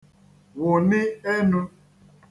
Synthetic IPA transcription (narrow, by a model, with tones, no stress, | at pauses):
ɣʊ˨nɪ˦e˦nʊ˦